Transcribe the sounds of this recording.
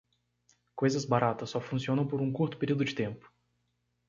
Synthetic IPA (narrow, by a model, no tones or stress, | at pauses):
kojzɐzbaɾat̪ɐsːɔfũsiõnɐ̃w̃poɾũkuɾt̪ʊ̥peɾiwd̪ʊd͡ʒɪt̪ẽmpʊ̥